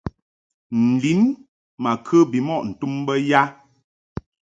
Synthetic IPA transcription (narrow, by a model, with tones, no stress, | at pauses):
n̩˨li˨˦n | ma˨kʰə˦bi˨mɔ˦˨ʔn̩˨tu˦mbə˦ja˦